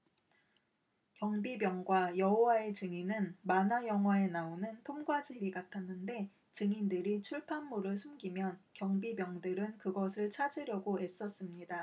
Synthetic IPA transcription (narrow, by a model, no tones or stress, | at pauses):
kjʌŋbibjʌŋɡwajʌɦowae̞t͡ɕɯŋinɯnmanajʌŋɦwae̞naonɯntʰomɡwad͡ʑiɾiɡatʰanːɯnde̞ | t͡ɕɯŋindɯɾit͡ɕʰuɭpʰanmuɾɯɭsʰumɡimjʌnkjʌŋbibjʌŋdɯɾɯnkɯɡʌsʰɯɭt͡ɕʰad͡ʑiɾjʌɡoe̞s͈ʌs͈ɯmɲida